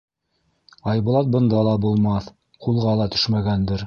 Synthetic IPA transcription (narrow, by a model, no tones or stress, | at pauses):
ɑjbŭlˠɑt̪̚bɤ̆nd̪ɑlˠɑbulˠmɑθ | qʰulˠʁɑlˠɑt̪ɵ̥ʃmæɡænd̪ɘɾ